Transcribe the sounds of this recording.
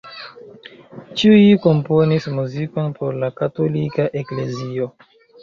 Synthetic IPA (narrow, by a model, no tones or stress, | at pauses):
t͡ʃiujiko̞mpo̞nismuziko̞npo̞ɾlakato̞likaʔe̞kle̞zio̞